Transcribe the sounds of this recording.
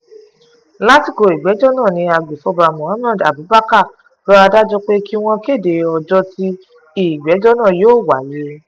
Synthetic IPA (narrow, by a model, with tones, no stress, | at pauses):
la˦ti˦˨ko˧˨i˨ɡ͡bɛ˨˦d͡ʒɔ˦nãː˦˨nĩ˧a˧ɡ͡be˨fɔ˧˦ba˧˨mɔ̃˨a˦m˦ã˦˨da̰˨bu˨˦ba˦ka˦˨ | bɔ˦a˧da˦d͡ʒɔ˧k͡pe˦ki˦w̃ɔ̃˧ke˦˨de˨ɔ˧d͡ʒɔ˧˦ti˦ | i˨ɡ͡bɛ˨˦d͡ʒɔ˦nã˦˨joː˦˨wa˨˦je˧˦